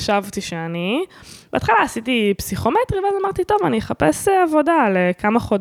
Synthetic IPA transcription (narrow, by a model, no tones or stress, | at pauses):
ʃavt̪iʃeanibeaːt̪χalaːsit̪ipsiχo̞met̪ʁiveazamaʁt̪it̪o̞vanijeχapesavo̞dalekamaχod